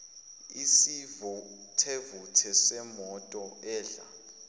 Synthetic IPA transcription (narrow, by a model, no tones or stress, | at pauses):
isiv | tʰevutʰɛsɛmɔtʼɔɛːɮa̰